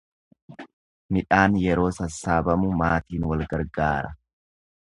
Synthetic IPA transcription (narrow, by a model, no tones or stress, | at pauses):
mɪᶑaːnjɛɾo̞ːsɐsːaːbɐmʊmaːt̪iːnwɐlɡɐɾɡaːɾɐ